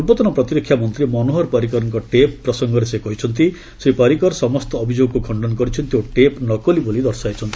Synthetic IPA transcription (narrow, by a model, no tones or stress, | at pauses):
utːɔt̪ɔnɔpɾɔt̪iɾɔkʰːjamɔnt̪ɾimɔnoɦɔɾpaɾik̬ɔɾɔŋkɔʈepːɾɔsɔŋɡɔɾesekɔɦit͡ʃʰɔnt̪i | sepaɾikɔɾsɔmɔst̪ɔːbʱid͡ʒoɡɔkukʰɔɳɖɔnɔkɔɾit͡ʃʰɔnt̪ioʈepnɔkɔlibolid̪ɔɾsajt͡ʃʰɔnt̪i̥